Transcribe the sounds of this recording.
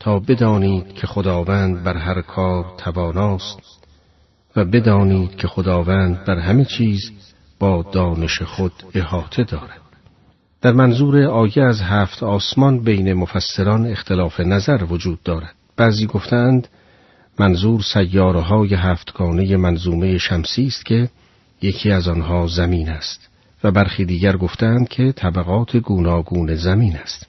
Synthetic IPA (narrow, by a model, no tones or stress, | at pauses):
t̪ʰɒːbe̞d̪ɒːniːd̪̥cʰe̞χod̪ɒːvæːnd̪̚bæɾɦæɾkʰɒːɾt̪ʰævɒːnɒːst̪ | væbe̞d̪ɒːniːd̪̥kʰe̞xod̪ɒːvæːnd̪̚bæɾɦæmet͡ʃʰiːz | b̥ɒːd̪ɒːne̞ʃeχod̪e̞hɒːt̪ʰe̞d̪ɒːɾæd̪̥̚ | d̪̥æɾmænzuːɾeɒːjeæzɦæːft̪ʰɒːsmɒnbejne̞mofæsːeɾɒne̞xt̪ʰe̞lɒːfe̞næzæɾvod͡ʒuːd̪ːɒːɾæd̪̥̚b̥æːziːɡoft̪ʰeænd̪ | mænzuːɾsæjːɒːɾeɦɒːjeɦæːft̪ɡ̥ɒːne̞jemænzuːme̞je̞ʃæmsiːst̪cʰe̞ | jecʰiːæzɒnɦɒːzæmiːnæst̪ | væbæɾχiːd̪iːɟæɾɡo̞ft̪eænd̪̥̚kʰe̞t̪ʰæbæɣɒːt̪ʰe̞ɡuːnɒːɡuːne̞zæmiːnæst̪